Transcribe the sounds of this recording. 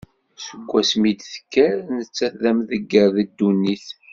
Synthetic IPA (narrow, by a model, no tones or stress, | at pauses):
sə̥kʷːæsmid̪θə̥kːæɾnət͡sːæθðæmðəɡːəɾðəd̪ːunːiθ